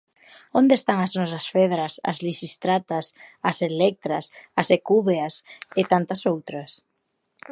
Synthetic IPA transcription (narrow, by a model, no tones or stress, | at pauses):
ond̪est̪aŋɐznɔsɐsfɛðɾɐsɐ̰zlisist̪ɾat̪ɐsɐselɛk̚t̪ɾɐsɐsekuβeɐsɪt̪ant̪ɐsowt̪ɾɐs